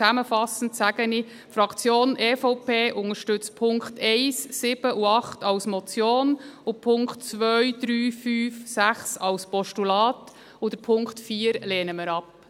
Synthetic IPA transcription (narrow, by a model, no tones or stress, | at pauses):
æməfɑsən̩tsæɡəni | fɾɑkt͡sjoːnʔeːfoʊpʰeːʔʊŋəʃtʏt͡spʰʊŋkχtɛɪsːɪb̥əʔuɑχtɑʊsmɔt͡sjoːnʊpʰʊŋkχtt͡sʋœʏɥd̥̪ɾyːfyːfsæχsɑwspɔʃtulɑːt | ʊd̥̪əpʰʊŋktfiːəɾleːnəməɾɑp